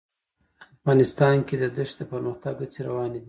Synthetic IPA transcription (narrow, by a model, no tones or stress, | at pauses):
afɣɑnɪst̪ɑnked̪əd̪əʃd̪əpəɾməxt̪aɡət͡seɾawɑned̪i